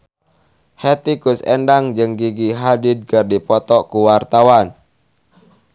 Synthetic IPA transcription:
het̪ikusɛndaŋd͡ʒɨŋɡiɡiɦadid̪̚kərdipɔt̪ɔkuwart̪awan

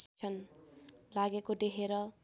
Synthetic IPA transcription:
st͡ʃʰʌn | laɡekod̪ekʰeɾʌ

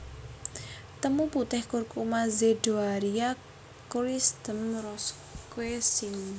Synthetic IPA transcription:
t̪əmuput̪ɛhkurkumazeɖoaɾia | kuɾisd̪̥əmrɔs | kwesiŋ

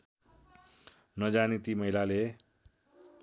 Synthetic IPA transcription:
nʌd͡zanit̪imʌɦilale

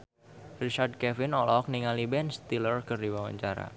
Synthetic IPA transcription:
rit͡ʃard̪̚kɛfɪnɔlɔk̚niŋalibɛnst̪ilərkɨrdiwawa̰ɲt͡ʃaɾa̰

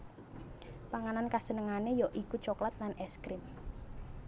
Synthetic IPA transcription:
paŋanankasənəŋanejɔʔikut͡ʃɔklat̪̚nanɛskɾɪm

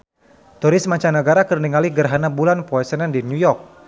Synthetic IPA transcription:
t̪uɾɪsmaɲt͡ʃanəɡaɾakərniŋaliɡərɦanabulanpɔɛsənɛndinjujɔrk̚

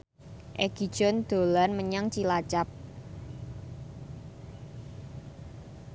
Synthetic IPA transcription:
ʔɛɡ̥id̥ʒ̥ɔ̤nd̪̥o̤lanməɲaŋt͡ʃilat͡ʃap̚

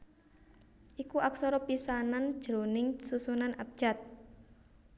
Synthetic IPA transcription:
ʔikuʔaksɔɾɔpisanand̥ʒ̥ɾonɪŋsusunanʔap̚ʒ̥at̪̚

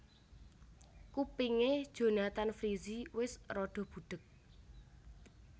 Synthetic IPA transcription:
kupiŋed̥ʒ̥o̤nat̪anfɾiziwɪsrɔɖ̪̥ɔ̤b̥ṳɖ̪̥ə̤k̚

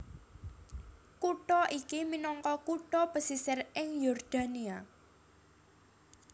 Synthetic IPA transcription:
kuʈɔʔikiminɔŋkɔkuʈɔpəsisɪrɪŋjɔrd̪̥a̤nia

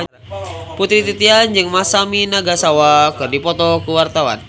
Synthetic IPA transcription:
put̪ɾit̪it̪iand͡ʒɨŋmasaminaɡasawakɨrdipɔt̪ɔkəwart̪awa̰n

